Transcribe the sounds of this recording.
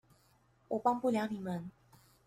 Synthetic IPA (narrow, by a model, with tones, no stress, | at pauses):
wʔɔ˨˩pɑ˥˧ŋpu˥˩ljɑ˧˥ʊni˨˩mə˧˦n